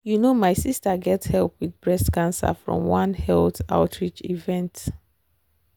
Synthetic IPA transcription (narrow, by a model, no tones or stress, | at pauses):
junomaɪsistaɡɛthɛlˠpwidbɹɛstkãnsa̰fɹɔ̰̃mwãnhɛlta̰ʊtʰɹit͡ʃḭvɛ̃nt